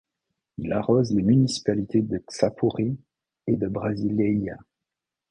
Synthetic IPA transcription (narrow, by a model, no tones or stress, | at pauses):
ilaʁozlemynisi̥palit̪ed̪əsapʰuʁi | ed̪əbʁazilea̰